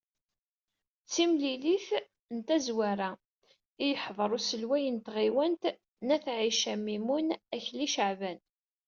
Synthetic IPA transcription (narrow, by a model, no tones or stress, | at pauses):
t͡sːimliliθ | nt̪æzwæɾæ | ijəħðˤɾˤusəlwæjənt̪ʁiwənt̪ | næθʕiʃæmimunæçliʃəʕvæn